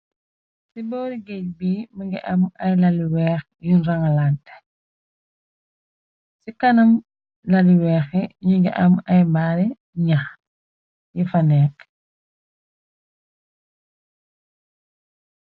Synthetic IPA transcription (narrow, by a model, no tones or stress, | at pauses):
sibɔːɾiɡɛc̚biːməŋɡḭʔɐmɐjlɐliwɛːx | junraŋalantɛ̥ | sikɐnɐm | lɐliwɛːxɛɲiŋɡḭʔɐmɐjmbaːɾɛ | ɲax | jifɐnɛːk